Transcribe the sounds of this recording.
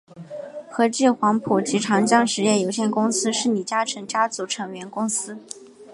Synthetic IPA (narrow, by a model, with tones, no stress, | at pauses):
xɤ˧˥t͡ɕ̩˥˩xwɑ˧˥ŋpʰu˨˩t͡ɕi˧˥ʈ͡ʂʰɑ˧˥ŋt͡ɕjɑ˥ŋʂɻ̩˧˥jɛ˥˩jo˧˥ʊɕjɛ˥˩nkʊ˥ŋsɹ̩˥ʂɻ̩˥˩ni˨˩t͡ɕja˥ʈ͡ʂʰɤ˧˥ŋt͡ɕja˥t͡su˧˥ʈ͡ʂʰɤ˧˥ŋɥɛ˧˥nkʊ˥ŋsɹ̩˥